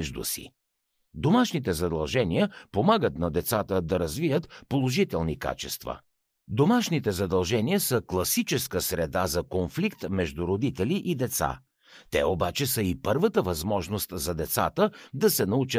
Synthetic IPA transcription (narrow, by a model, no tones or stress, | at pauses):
ʒd̪ṵsḭ | d̪omaʃnit̪ɛzɐd̪ɐlˠʒɛnijəpomaɡət̪nɐd̪ɛt̪sat̪əd̪ɐɾɐzvijət̪polˠoʒit̪ɛlˠnika̰t͡ʃɛ̰st̪və̰ | d̪omaʃnit̪ɛzɐd̪ɐlˠʒɛniəsəklˠɐsit͡ʃɛskəsɾɛd̪azɐkonflikt̪mɛʒd̪uɾod̪it̪ɛliʔid̪ɛt̪sa̰ | t̪ɛ̰obat͡ʃɛsəipɤɾvət̪əvɐzmɔʒnost̪zɐd̪ɛt̪sa̰t̪əd̪ɐsɛnɐut͡ʃə